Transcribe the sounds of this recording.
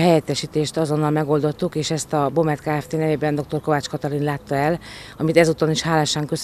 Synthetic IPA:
ɦɛjɛt̪ːɛʃiːt̪eːʃt̪ɒzo̞nːɒlmɛɡo̞ld̪o̞t̪ːukeːʃɛst̪ɒbo̞mɛt̪kaːɛft̪eːnɛveːbɛnd̪o̞k̚t̪o̞rko̞vaːt͡ʃkɒt̪ɒɾinlaːt̪ːɒɛlɒmit̪ɛzut̪oniʃhaːlaːʃaːŋkø̞s

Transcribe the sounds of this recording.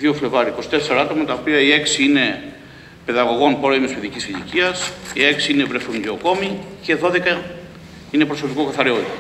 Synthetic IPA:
ðio̞fle̞vɐɾiko̞si̥t̪eseɾɐɐt̪o̞mɐt̪ɐopiɐie̞ksiine̞ | pe̞ðɐɣo̞ɣo̞npo̞ɾemispeðicisiʎḭciɐsie̞ksiinevɾe̞θunɟeoko̞mice̞ðo̞ðe̞kɐ | ine̞pɾo̞so̞piko̞kɐθɐɾeoð

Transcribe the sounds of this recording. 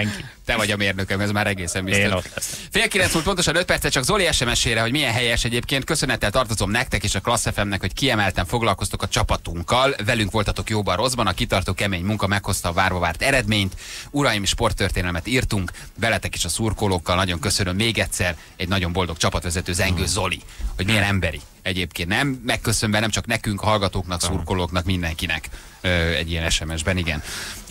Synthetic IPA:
ŋkit̪ɛvɒɟɒmeːrnøkɛmɛzmaːɾɛɡeːsɛmbisot̪lɛsfeːlkilɛnsmuːlt̪pono̞ʃɒnøt̪̚pɛrt̪sɛt͡ʃɒɡzoliɛʃɛmɛʃeːɾɛɦo̞ɟmiɛnɦɛjɛʃɛɟeːpkeːnt̪kø̞sø̞nɛt̪ːɛlt̪ɒrt̪o̞zo̞mnɛk̚t̪ɛkeːʃɒklɒsːɛfɛmnɛkhockiɛmɛlt̪ɛɱfo̞ɡlɒlko̞st̪okɒt͡ʃɒpɒt̪uŋkːɒlvɛlyŋkʋo̞lt̪ɒt̪o̞kjoːbɒro̞zbɒnɒkit̪ɒrt̪oːkɛmeːɲmuŋkɒmɛkho̞st̪ɒːvaːrvɒvaːrt̪ɛɾɛd̪meːɲt̪uɾɒjimeʃpo̞rt̪ːørt̪eːnɛlmɛt̪iːrt̪uŋk | vɛlɛt̪ɛkeːʃɒsuːrkoːloːkːɒlnɒɟo̞ŋkø̞sønømːeːɡɛt̪ʲsɛr | ɛɟnɒɟo̞mbo̞ld̪o̞kt͡ʃɒpɒt̪ʋɛzɛt̪øːzɛŋɡøːzo̞li | ho̞ɟmijɛnɛmbɛɾi | ɛɟeːpkeːnnɛmːɛkːø̞søɱvɛnɛmt͡ʃɒknɛkyŋkɒɦɒlɡɒt̪oːknɒksuːrkoːloːknɒkmind̪ɛŋkinɛ̰k | øɛ̰ɟːijɛnɛʃɛmɛʒbɛniɡɛn

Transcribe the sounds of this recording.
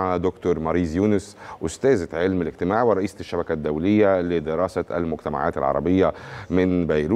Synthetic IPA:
ʕad̪okt̪oɾˤmɑɾiːzjuːnʊsʔʊst̪æːzʕelmɪlɪɡ̚t̪ɪmaːʕwɪɾˤɑʔiːsʃːæbækæd̪ːæwlɪjːælɪd̪ɪɾɑːsaæ̰lmʊɡt̪æma̰ʕa̰ːt̪a̰lʕɑ̰ɾˤɑ̰bɪjːamɪnbæjɾu

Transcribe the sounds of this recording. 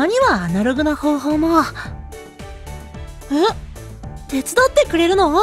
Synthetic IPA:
aɲ̟iβaːnaɾo̞ɡɯ̟naho̞ːɦo̞ːmo | ɯ | t̪e̞t͡sɨd̪ot̪ːe̞kɯ̟ɾe̞ɾɯ̟no̞

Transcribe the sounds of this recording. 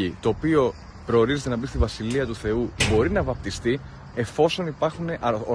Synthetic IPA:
it̪o̞ːpio̞ | pɾo̞ːɾize̞t̪e̞nɐbist̪ivɐsiliɐt̪uθe̞ubo̞ɾinɐvɐp̚t̪ist̪i | e̞fo̞so̞nipɐɾxune̞ʔɐ

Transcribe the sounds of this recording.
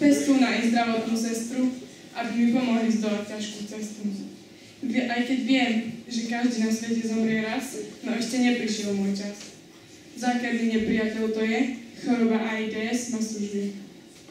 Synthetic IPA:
t͡sɛst̪unaʔɛzd̪ɾaʋɔt̪nusɛst̪ɾu | ʔabimipɔmɔɦlizd̪ɔlac̚cːaʃkut͡sɛst̪u | ɛʔajkɛɟʋɪɛmʒɛkaʒd̪iːnasʋɛcɛzɔmɾɪɛɾasnɔɛʃcɛɲɛpɾiʃjɛlmʊɔːjt͡ʃas | vzaːklaɟɛɲɛpɾijacɛlt̪ɔjɛxɔɾɔbaʔaid̪ɛɛsmasuʒɛ

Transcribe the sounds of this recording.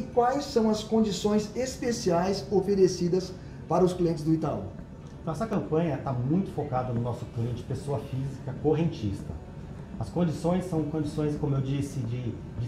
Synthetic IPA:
ɪkwajsːɐ̃w̃ɐskõd͡ʒisõj̃zespesiajsofeɾesid̪ɐs | paɾɐʊskliẽnt͡ʃɪzd̪ʊit̪alṵ̃ | t̪ɐ̃w̃ɛsɐkɐ̃mpɐ̃ɲɐt̪amũj̃t̪ʊ̥fokad̪ɐnʊnɔsʊ̥kliẽnt͡ʃɪ̥pesoɐfizikɐkoɦẽnt͡ʃḭst̪ɐ̰ | ɐskõd͡ʒisõj̃sːɐ̃w̃kõd͡ʒisõj̃skõmʊewd͡ʒisɪd͡ʒɪ | d͡ʒ

